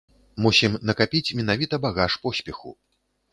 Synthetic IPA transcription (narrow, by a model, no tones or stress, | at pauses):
musʲimnɐkapʲit͡sʲmʲɛnavʲit̪ɐbaɣaʂpɔsʲpʲɛxṵ